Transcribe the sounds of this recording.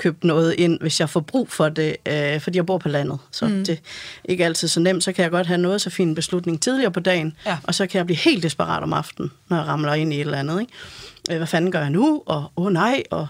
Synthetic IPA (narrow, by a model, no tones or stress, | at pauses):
kʰøːb̥̚d̥nɔ̽ːð̞̩ˠʔe̝n̰ʋe̝sjɑ̈ɪfɒb̥ʁṵːfɒ̽d̥eøfɒd̥ḭːjäɪbo̝ɐ̰pʰɒ̽læn̰ð̞̩ˠsɒ̽d̥e̝ʔe̝ɡ̥əæl̰t͡sʰið̞̰ˠsɒ̽nem̰d̥sɒ̽kʰæjɑ̈ɪɡ̥ɒ̽d̥ɦænɔ̽ːð̞̩ˠsɒ̽fḭːnb̥e̝slud̥ne̝ŋt͡sʰið̞ˠliɐːpʰɒ̽d̥ɛ̰ːɪn̩ʔɒ̽sɒ̽kʰæjɪbliːhe̝̰ːld̥isb̥ɑʁɑ̰̈ːd̥ɒ̽mɑ̈fd̥n̩ːɒjɑ̈ʁɑ̈mlɐe̝n̰ie̝ɾelænð̞̩ˠeɡ̥øʋæfænn̩ɡ̥ɶɐjɑ̈nuɒ̽ɔːnɑ̈ɪ̰ɒ̽